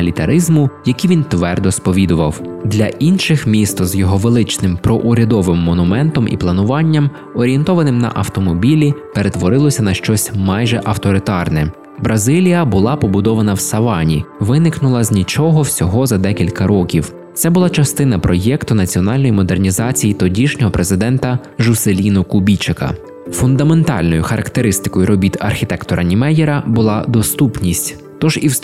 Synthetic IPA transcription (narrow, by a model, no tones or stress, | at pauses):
ɐlʲit̪ɐɾɪzmʊjɐkiʋʲint̪ʋɛrd̪ɔspɔʋʲid̪ʊʋɐwd̪lʲɐʔinʃɪxmʲist̪ɔzjɔɦɔʋelˠɪt͡ʃnɪmpɾɔʔʊɾʲɐd̪ɔʋɪmːɔnʊmɛnt̪ɔmʔḭplˠɐnʊʋɑnʲːɐm | ɔɾʲije̞nt̪ɔʋɐnɪmnɐ̰ʔɐwt̪ɔmɔbʲilʲipeɾet̪ʋɔɾɪlˠɔsʲɐnɐʃt͡ʃɔsʲmɑjʒɛʔɐwt̪ɔɾɪt̪ɑrnɛ | bɾɐzɪlʲijɐbʊlˠɑpɔbʊd̪ɔʋɐnɐwsɐʋɑnʲḭʋɪnɪknʊlˠɐzʲnʲit͡ʃɔɦɔwsʲɔɦɔzɐd̪ɛkʲilʲkɐɾɔkʲiw | t̪sɛbʊlˠɑt͡ʃɐst̪ɪn̪ɐpɾɔjɛkt̪ʊnɐt͡sʲiɔnɑlʲnɔjimɔd̪ernʲizɑt͡sʲijit̪ɔdʲiʃnʲɔɦɔpɾezɪd̪ɛnt̪ɐ | ʒʊselʲinʊkʊbʲit͡ʃekɐ̰ | fʊnd̪ɐme̞nt̪ɑ̰lʲnɔjʊxɐɾʔɐkt̪eɾɪst̪ɪ̥kɔjʊɾɔbʲit̪ɐ̰rxʲit̪ɛkt̪ɔɾʔɐnʲimɛjɛɾɐbʊlˠɑd̪ɔst̪upnʲisʲtʲ | t̪ɔʒiw